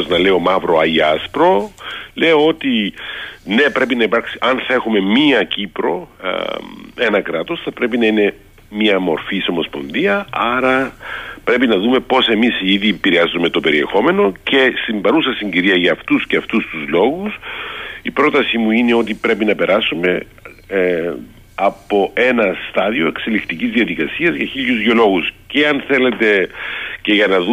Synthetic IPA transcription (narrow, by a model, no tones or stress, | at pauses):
znɐle̞omɐvɾo̞ɐiɐspɾo̞le̞oo̞t̪i | ne̞pɾe̞pinɐipɐɾksiɐnθɐe̞xume̞miɐcipɾo̞ | e̞nɐkɾɐt̪o̞sθɐpɾe̞pinɐine̞ | miɐmo̞ɾfiso̞mo̞spo̞nðiɐɐɾɐpɾe̞pinɐðume̞po̞se̞misiðiepiɾiɐzume̞t̪o̞pe̞ɾie̞xo̞me̞no̞ce̞st̪imbɐɾusɐsiɲɟiɾiɐʝɐːft̪usceɐft̪ust̪uzlo̞ɣusipɾo̞t̪ɐsimuine̞o̞t̪ipɾe̞pinɐpe̞ɾɐsume̞ | ɐpo̞e̞nɐst̪ɐðio̞e̞kse̞likt̪icizðiɐðikɐsiɐzʝɐçiʎuzɣio̞lo̞ɣusceɐnθe̞le̞t̪e̞ce̞ʝɐnɐðu